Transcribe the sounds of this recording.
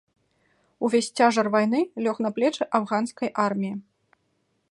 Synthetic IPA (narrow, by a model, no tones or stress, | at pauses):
uvʲesʲt͡sʲaʐɐrvajn̪ɨlʲɔxn̪ɐplʲɛt͡ʂɨʔavɣanskɐjʔarmʲiji